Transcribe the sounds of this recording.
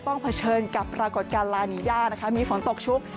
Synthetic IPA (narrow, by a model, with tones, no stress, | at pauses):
t̪ɔ˥˩ŋpʰa˧t͡ɕʰɤː˧nka˨˩pːɾaː˧ko˨˩t̪̚kaː˧nlaː˧jni˧˦jaː˥˩t̪̚na˦˥kʰa˦˥miː˧fo˨˩˦nt̪o˨˩k̚t͡ɕʰu˦˥k̚